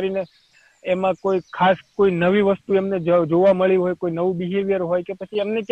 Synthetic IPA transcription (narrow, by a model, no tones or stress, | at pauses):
ɾine | emãkoikʰaskoinəʋiʋəst̪uemned͡ʒd͡ʒoʋaməɭiɦojkoinəʋũbiɦeʋjəɾɦojkepət͡ʃʰiemnek